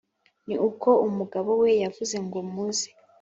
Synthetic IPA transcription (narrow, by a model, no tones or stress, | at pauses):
niukʰo̞umuɡaβo̞we̞javuze̞ŋɡomuze